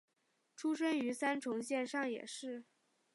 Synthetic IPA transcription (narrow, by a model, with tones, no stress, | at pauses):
ʈ͡ʂʰu˥ʂə˥ŋy˧˥sa˥nʈ͡ʂʰʊ˧˥ŋɕjɛ˥˧nʂɑ˥˩ŋjɛ̰˨˩ʂɻ̩˥˩